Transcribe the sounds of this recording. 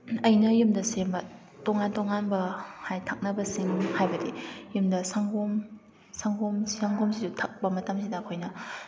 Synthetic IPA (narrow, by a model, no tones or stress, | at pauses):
ɐjnɐjumdɐsembɐ | toŋantoŋanbɐhajtʰak̚nɐbɐsiŋhajbɐdḛjumdɐsaŋɡom | saŋɡomsaŋɡomsizutʰɐk̚pɐmɐtɐmsidɐːkʰojnɐ